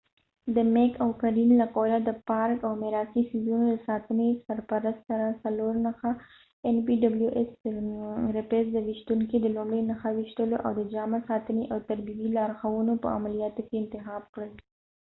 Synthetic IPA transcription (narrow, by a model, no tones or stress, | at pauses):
d̪əmekawkaɾinlakolad̪əpɑɾkawmɪɾɑsisizunoləsɑt̪ənesaɾpaɾast̪saɾasaloɾnaxa | enpiɖabljuʔes | ɾɪpesd̪əwɪʃt̪uŋkid̪əlʊmɽəjnaxawɪʃt̪əloʔa̰wd̪əd͡ʒɑmasɑt̪əneʔawt̪aɾbibilɑɾxawunopə̰a̰malijɑt̪okeɪnt̪ɪxɑbkɽəl